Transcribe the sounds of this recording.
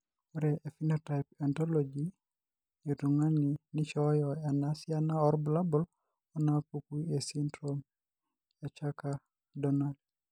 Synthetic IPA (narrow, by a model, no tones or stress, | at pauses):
ɔɾeʔefinotajpɛntɔlod͡ʒi | eduŋaninit͡ʃɔjɔanasianaɔɾbulabʊl | ɔnakukuesindɾom | et͡ʃaka | dɔnal